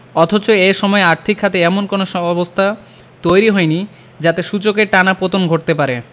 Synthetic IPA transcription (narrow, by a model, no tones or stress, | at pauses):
ɔt̪ʰot͡ɕoeʃɔmɔeaɾt̪ʰikʰːat̪eɛmonkonoʃɔbabost̪ʰa | t̪ojɾiɦɔjni | d͡ʑat̪eʃut͡ɕokeɾʈanapot̪onɡʱoʈ̚t̪epaɾe